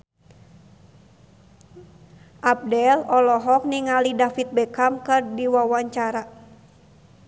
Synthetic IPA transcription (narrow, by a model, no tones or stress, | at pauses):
ʔap̚dɛlɔlɔɦɔk̚niŋalidafit̪̚bɛkamkɨrdiwawaɲt͡ʃaɾa